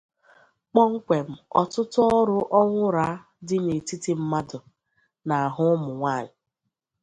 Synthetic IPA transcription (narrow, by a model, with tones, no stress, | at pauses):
k͡pɔ˦ŋ̩˦kʷe˨m̩˨ɔ˨tʊ˦tʊ˦ɔ˦ɾʊ˦ʔɔ˦ŋʷʊ˦ɾa˦ | dɪ˦me˨ti˦ti˨m̩˦ma˦dʊ˨ | na˨a˨ɦʊ˦mʊ˨ŋʷa˦˨ɲɪ˨